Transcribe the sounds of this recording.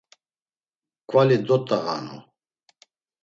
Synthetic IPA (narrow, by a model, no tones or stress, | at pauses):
kʼwalid̪ɔt̪ʼaɣa̰nṵ